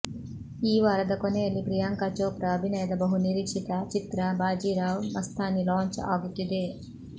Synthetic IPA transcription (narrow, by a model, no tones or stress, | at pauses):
iːʋaːɾɐd̪ɐkɔnejɐlːipɾijaːŋkaːt͡ʃoːpɾɐːbʱinɐjɐd̪ɐbɐɦuniɾiːkʂit̪ɐt͡ʃit̪ɾɐbʱaːd͡ʒiːɾaːwmɐst̪ʰaːnilaːɲt͡ʃa̰ːɡut̪ːid̪e